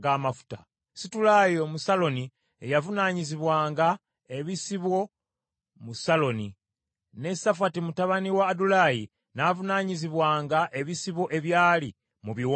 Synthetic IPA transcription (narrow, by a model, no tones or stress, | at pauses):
ɡamafu̥ta | situlaːjo̞musalo̞ni | ejavunaːɲiziβwaːŋɡa | e̞βisiβwo̞ | musalo̞ni | ne̞safatimutaβaniwaːdulaji | navunaːɲiziβwaːŋɡaʔe̞βisiβo̞ʔe̞βjaːli | muβiwo